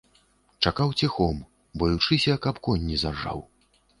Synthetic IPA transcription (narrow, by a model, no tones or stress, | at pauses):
t͡ʂakawt͡sʲixɔm | bɔjut͡ʂɨsʲɐkapkɔnʲːizarʐa̰w